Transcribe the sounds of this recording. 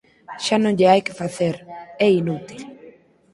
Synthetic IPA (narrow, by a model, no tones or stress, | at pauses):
ʃanõŋʎeajkɪ̥faθeɾɛinut̪il